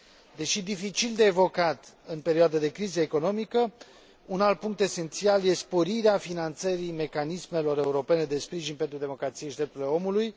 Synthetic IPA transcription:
d̪e̞ʃid̪ifit͡ʃild̪e̞ːvo̞kat̪ɨnpe̞ɾioad̪əd̪e̞kɾizəeko̞no̞mikə | unalt̪̚puŋk̚t̪e̞se̞nt̪sialje̞spo̞ɾiɾeafinant̪səɾime̞kanisme̞lo̞ɾe̞uɾo̞pe̞ne̞d̪e̞spɾiʒinpent̪ɾud̪e̞mo̞kɾat̪sijeʃid̪ɾep̪̚uɾileo̞muluj

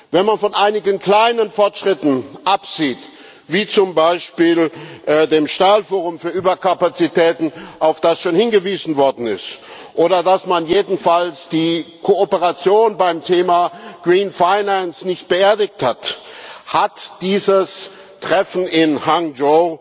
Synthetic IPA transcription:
vɛnmanfɔnʔaɪnɪɡənkl̥aɪnənfɔɐtʃʁ̥ɪtn̩ʔapz̥iːt | viːt͡sʊmbaɪʃpiːlʔdeːmʃtaːlfoːʁ̞ʊmfyːɐʔyːbɐkʰapat͡sitʰɛːtn̩aʊfd̥asʃoːnhɪnɡəviːzn̩vɔɐdn̩ɪ̰stʔoːɾɐdasmanjeːdn̩falsd̥iːkʰoopəʁat͡sjoːnbaɪmtʰeːmaɡ̥ʁiːnfaɪnansnɪçt̚b̥əeːɐdɪk̚thathatd̥iːzəs | tʁ̥ɛfn̩ɪnhaŋd͡ʒoː

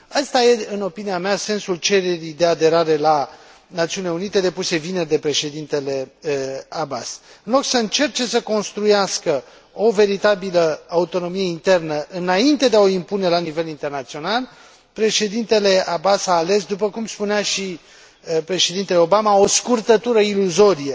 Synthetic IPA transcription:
ast̪aje̞ɨno̞piniamease̞nsult͡ʃe̞ɾe̞ɾid̪e̞ad̪e̞ɾaɾe̞la | nat̪siunileunit̪e̞d̪e̞puse̞vinerd̪e̞pɾe̞ʃe̞d̪int̪e̞le̞ | abas | ɨnlo̞ksəɨnt͡ʃe̞rt͡ʃe̞səko̞nst̪ɾujaskə | o̞ve̞ɾit̪abiləaut̪o̞no̞mije̞int̪e̞rnəʔɨnaint̪e̞d̪eaoimpune̞lanive̞lint̪e̞rnat̪sio̞nal | pɾe̞ʃe̞d̪int̪e̞le̞abasaːle̞sd̪up̬əkumspuneaʃi | pɾe̞ʃe̞d̪int̪e̞leo̞bamao̞skurt̪ət̪uɾəiluzo̞ɾije

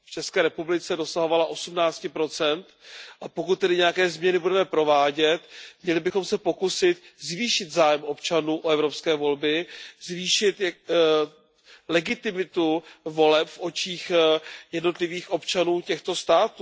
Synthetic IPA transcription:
ft͡ʃɛskɛːɾɛpublɪt͡sɛdo̞saɦo̞valaʔo̞sumnaːt͡scɪpɾo̞t͡sɛnt̪ʔapo̞kut̪̚tːɛdɪɲɛjakɛːzmɲɛnɪbudɛmɛpɾo̞vaːɟɛt̪mɲɛlɪbɪxo̞msɛpo̞kusɪt̪zviːʃɪt̪zaːjɛmʔo̞pt͡ʃanuːʔoɛvɾo̞pskɛːvo̞lbɪzviːʃɪt̪ | lɛɡɪt̪ɪmɪt̪uvo̞lɛpfʔo̞t͡ʃiːxjɛdno̞t̪lɪviːxʔo̞pt͡ʃanuːcɛxt̪o̞st̪aːt̪uː

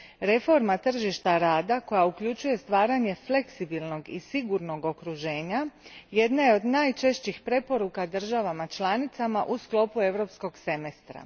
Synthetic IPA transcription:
ɾe̞fo̞ɾmat̪r̩ʒiʃt̪aɾaːd̪ako̞jaukʎut͡ʃuje̞st̪ʋaːɾaɲe̞fle̞ksibilno̞ɡisiɡuɾno̞ɡo̞kɾuʒe̞ːɲaje̞d̪najeo̞d̪naːjt͡ʃe̞ʃt͡ɕixpɾe̞po̞ɾukad̪r̩ʒaʋamat͡ʃlˠanit̪samaʔusklo̞pue̞ʋɾo̞psko̞ɡse̞mest̪ɾa̰

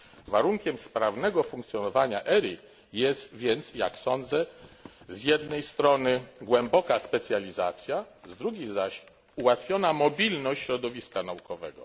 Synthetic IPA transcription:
vaɾuŋkʲɛmspɾavnɛɡɔfuŋk̚t̪sʲjɔnɔvaɲaʔɛɾʲi | jɛst̪vʲjɛnt̪sja̰ksɔnd̪zɛ | zjɛd̪nɛjst̪ɾɔnɘɡwɛmbɔkaspɛt̪sʲjalʲiza̰t̪sʲja | zd̪ɾuɡʲizaɕ | uwat̪fʲjɔnamɔbʲilnɔɕt͡ɕɕɾɔd̪ɔvʲiskanaukɔvɛɡɔ̰

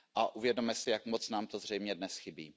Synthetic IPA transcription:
ʔaʔuvjɛdomɛsɪjakmot͡snaːmt̪ozr̝ɛjmɲɛdnɛsxɪbḭː

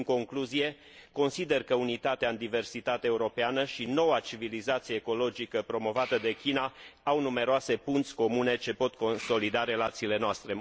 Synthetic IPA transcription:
ŋko̞ŋkluzije̞ | ko̞nsid̪e̞rkəunit̪at̪eaɨnd̪ive̞rsit̪at̪eaeuɾo̞peanəʃino̞wat͡ʃivilizat̪sijeːko̞lo̞d͡ʒikəpɾo̞mo̞vat̪əd̪e̞kʲinaawnume̞ɾoase̞punt̪sʲko̞mune̞t͡ʃe̞po̞t̪ko̞nso̞lid̪aɾe̞lat̪siːle̞noast̪ɾe̞

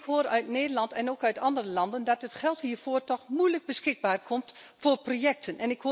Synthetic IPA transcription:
kɦoːərœɥtneːdəlɑntɛnoːkœɥtɑndərəlɑndəndɔtətχɛlˠthiːərv̥oːrtɔxmujləɡ̚bəsxɪɡ̚baːrkʰɔmtfoːrprojɛk̚tʰənɛnɪkho

